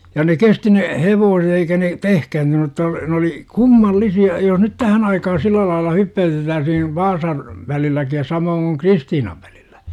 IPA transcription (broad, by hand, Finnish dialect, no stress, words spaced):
jɑ ne kesti ne heʋoːset eikæ ne tehkæyntyny ə̆tːɑ ne oli kumːɑlːisiɑ jos nyt tæhæn ɑikɑhɑn silːæ lɑilːɑ hypːæytetːæːsihin ʋɑːsɑn ʋælilːæki jɑ sɑmoːŋ kuŋ kristiːnɑʋ ʋ̥æ̥l̥i̥l̥ːæ̥